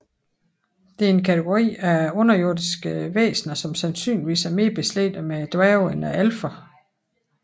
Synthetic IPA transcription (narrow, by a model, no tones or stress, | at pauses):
d̥e̝æɐe̝nkʰæt͡sʰəɡ̥o̝ʁḭːæɔ̽nɐjo̝ɐd̥isɡ̥əʋḛːsnɐsɒ̽msænsy̰ːnliʋḭːsæɐme̝ːɐb̥e̝slḛd̥əmed̥ʁæʊenæælfɐ